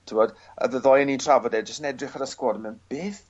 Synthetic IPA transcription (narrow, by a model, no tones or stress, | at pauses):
tʰɪmɔd | ə̰ðəðɔːjnitʰravɔdɛd͡ʒəstənɛdrɪχaɾəskwɔdmɛnb̥eːθ